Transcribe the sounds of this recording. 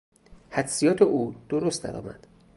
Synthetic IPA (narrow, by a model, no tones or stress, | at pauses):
hæd̪sijɒːt̪ʰeʔuːd̪̥oɾost̪d̪æ̰ɾɒ̰ːmæ̰d̪̥